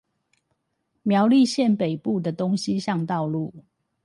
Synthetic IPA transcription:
mjɑ˧˦ʊli˥˧ɕjɛ˥˨npe˨˩ɪpu˥˨d̪ə˨˩t̪o˦ŋɕi˦ɕjɑ˥˨˧ŋt̪ɑ˥˧ʊlu˥˨

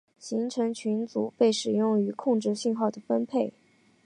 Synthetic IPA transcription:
ɕi˧˥ŋʈ͡ʂʰɤ˧˥ŋt͡ɕʰy˧˥nt͡su˨˩pe˥˩ɪʂɻ̩˨˩jʊ˥˩ŋy˧˥kʰʊ˥˧ŋʈ͡ʂɻ̩˥˧ɕi˥˧nxɑ˥˩ʊd̪ə˩fə˥npʰe˥˩ɪ

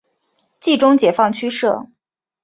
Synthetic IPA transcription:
t͡ɕi˥˩ʈ͡ʂʊ˥ŋt͡ɕjɛ˨˩fɑ˥˩ŋt͡ɕʰy˥ʂɤ˥˩

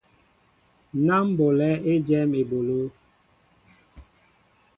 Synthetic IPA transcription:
na˦m˦bo˨lɛ˦e˦d͡ʒɛ˦me˨bo˨lo˦

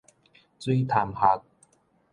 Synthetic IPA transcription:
t͡si˥t̪ʰaː˨˩mha˨˧˥k̚

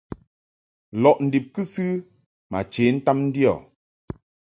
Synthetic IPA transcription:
lɔ˨ʔn̩˨di˨p̚kɨ˦sɨ˦ | ma̰˨t͡ʃe˨˦n̩˦ta˦mn̩˦di˦ɔ̰˨

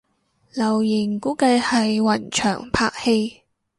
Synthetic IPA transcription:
lɐ˨˩wjɪ˨˩ŋkuː˨˥kɐ˧jhɐ˨jwɐ˨˩nt͡ʃʰœ̰ː˨˩ŋpʰa̰ː˧k̚he˧j

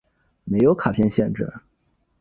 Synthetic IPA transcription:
me˧˥ɪjo˧˥ʊkʰa˨˩pʰjɛ˥˧nɕjɛ˥˧nʈ͡ʂɻ̩̰˥˩

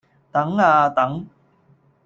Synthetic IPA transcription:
t̪ɐ˨˥ŋaː˧t̪ɐ˨˦ŋ

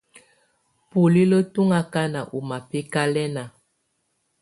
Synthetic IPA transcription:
pu˨li˦lə˦tu˦ŋa˦ka˦na˨ʔu˨ma˨pe˦ka˦lɛ˦na˨

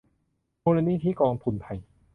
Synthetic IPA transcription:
moː˧la˧niː˧˥˩t̪ʰiː˥˨kɔː˧ŋt̪ʰu˧nt̪ʰa˧j

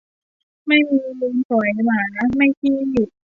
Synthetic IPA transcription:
ma˥˩jmiː˧muː˧nsɔ˩˦jmaː˨˦na˥ma˥˩jpʰiː˥˩ju˨˩t̪̚

